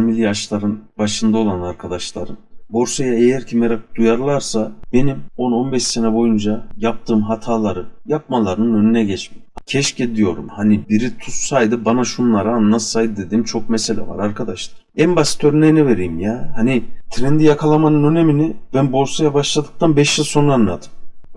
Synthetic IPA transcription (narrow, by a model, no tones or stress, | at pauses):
milʲijaʃlˠaɾɯnbaʃɯnd̪ao̞lˠanaɾkʰad̪aʃlˠaɾɯnbo̞ɾsajaejɛɾcʰimɛɾakd̪̥ujaɾlˠaɾsabe̞nimo̞no̞nbɛʃse̞nɛbo̞jund͡ʒajap̚t̪ʰɯːmɦat̪ʰaːlˠaɾɯjap̚malˠaɾɯnɯnø̞nynɛɟɛt͡ʃmicʰɛʃced̪ijo̞ɾṵmhanibiɾit̪ʰussajd̪ɯbanaʃunlˠaɾaːnlːˠat̪sajd̪ɯd̪e̞d̪iːmt͡ʃʰo̞k̚mɛse̞lʲɛ̰va̰ɾaɾkʰad̪aʃlˠaɾɛmbasi̥t̪ʰøɾynɛnɛve̞ɾijimjahanit̪ʰɾɛnd̪ijakʰalˠamanɯnø̞ne̞minibænbo̞ɾsajabaʃlˠad̪ɯk̚t̪ʰanbɛʃjilˠso̞nanlˠat̪ʰɯ̥m